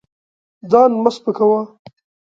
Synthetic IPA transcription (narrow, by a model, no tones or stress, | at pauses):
zɑːnmaspəkawa